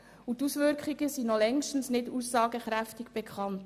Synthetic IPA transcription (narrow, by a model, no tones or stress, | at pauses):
utusʋʏɾkχiɡəsinɔlɛŋʃtn̩snɪduːsːɑːɡəχɾæftɪɡ̥b̥ɛkχɑnt